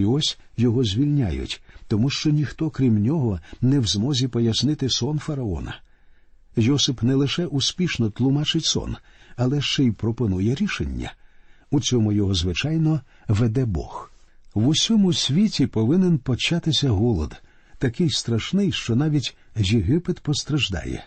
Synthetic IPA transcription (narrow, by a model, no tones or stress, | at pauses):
ɔsʲjɔɦɔzʲʋʲilʲnʲa̰jʊ̰tʲt̪ɔmuʃt͡ʃɔnʲixt̪ɔkɾʲimnʲɔɦɔnɛwzmɔzʲipɔjɐsnɪt̪ɪsɔnfɐɾɐɔ̰nɐ̰ | jɔsɪpnɛlˠɪʃɛʔʊspʲiʃnɔt̪lˠʊmɑt͡ʃɪtʲsɔ̰nɐlˠɛʃt͡ʃɛjpɾɔpɔnujɛɾʲiʃḛnʲːɐ̰ | ut͡sʲɔmʊjɔɦɔzʋɪt͡ʃajnɔ | ʋɛd̪ɛbɔ̰x | wʊsʲɔmʊsʲʋʲitʲipɔʋɪnenpɔt͡ʃat̪ɪsʲɐɦɔlˠɔ̰d̪ | t̪ɐkɪjst̪ɾɐʃnɪjʃt͡ʃɔnɑʋʲitʲjɪɦɪpɪd̪pɔst̪ɾɐʒd̪ɑ̰jɛ̰